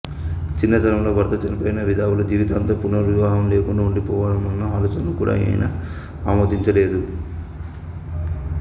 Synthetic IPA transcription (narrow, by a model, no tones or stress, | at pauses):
t͡ʃinːɐd̪ʱɐɾɐmlo̞ːbɐɾt̪ɐt͡ʃɐlipoːjinɐʋid̪ʱaːʋulɐd͡ʒiːʋit̪aːnt̪ɐpunɐɾʋiʋaːɦɐmle̞ːkuɳɖaːuɳɖipɔːʋaːlɐmɐnːɐaːloːt͡ʃɐnɐlukuːɽa̰ːjɐ̰j̰nɐ | aːmoːd̪iɲt͡ʃɐle̞ːd̪u